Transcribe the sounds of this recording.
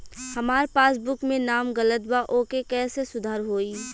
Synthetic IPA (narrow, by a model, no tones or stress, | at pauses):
hɐmaːɾpaːsbʊkmẽnaːmɡələt̪waʔoːkekɛːsesʊd̪ʱaːɾɦoːiː